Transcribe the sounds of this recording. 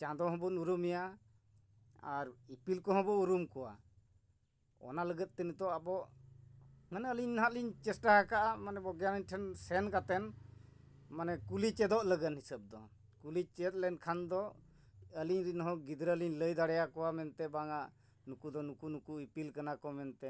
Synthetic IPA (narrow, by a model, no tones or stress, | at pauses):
t͡ʃãd̪ɔɦɔ̃bɔnuɾumija | aɾipilkɔɦɔ̃bɔuɾumkɔwa̰ | ɔ̰naləɡət̪̚t̪ənit̪ɔabɔʔ | manɛəliɲnɦat̪liɲt͡ʃɛsʈaɦakaʔamanɛbɔɡjaliɲʈʰɛnsɛnkat̪ɛn | manɛkulit͡ʃɛd̪ɔʔləɡənhisəb̚d̪ɔ | kulit͡ʃɛt̪̚ˀlɛnkʰand̪ɔ | əliɲɾinɦɔ̃ɡid̪ɾəliɲləjd̪aɽɛjakɔwamɛnt̪ɛbaŋaʔ | nukud̪ɔnukunukuipilkanakɔmɛnt̪ɛ